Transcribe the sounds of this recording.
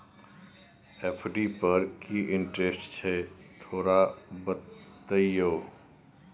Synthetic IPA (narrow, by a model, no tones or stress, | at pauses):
epʰɖipɐɾkiʔɪ̃ɳʈɾesʈt͡ʃʰɛt̪ʰoːɾabət̪ː | əjjoː